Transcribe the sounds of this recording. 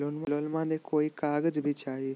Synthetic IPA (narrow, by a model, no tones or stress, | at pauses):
lonmalonmãnekoikaɡəd͡ʒbʱit͡ʃaɦi